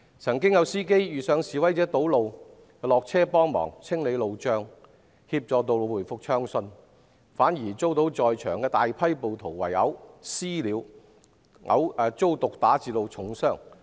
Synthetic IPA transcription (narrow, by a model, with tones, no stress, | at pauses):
t͡sʰɐ˨˩ŋkɪ˥ŋjɐ˨˧wsiː˥ke˥jjyː˨sœː˨˧ŋsiː˨˩wɐ˨˥jt͡sɛː˨˥t̪o˨˥wlo˨w | kɛ˧lɔː˨k̚t͡sʰɛː˥pɔː˥ŋmɔ̰ː˨˩ŋt͡sʰɪ˥ŋle˨˧jlo˨wt͡ʃœː˧ŋ | hiː˧p̚t͡sɔː˨˧t̪o˨wlo˨˧wuː˨˩jfʊ˨˧k̚t͡ʃʰœː˥ŋsɵ˧n | faː˨˥njiː˨˩t͡so˥wt̪o˨˥wt͡sɔː˨jt͡ʃʰœː˨˩ŋkɛː˧t̪aː˨jpʰɐ˥jpo˨˧wt̪ʰo˨˩wwɐ˨˩jɐ̰˨˥wsiː˥liː˨˧w | ŋʔɐ̰˨˥wɐː˨˧t͡so˥wt̪ʊ˨k̚t̪aː˨˥t͡siː˨˧lo˨˧wt͡sʰʊ˨˥ŋsœː˥ŋ